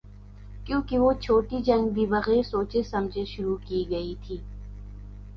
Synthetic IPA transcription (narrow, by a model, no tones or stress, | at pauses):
kjõːkiʋot͡ʃʰoːʈid͡ʒɐ̃ŋɡb̪ibɐɣeːɾsoːt͡ʃesɐmd͡ʒʱeʃʊɾukiːɡɐit̪ʰiː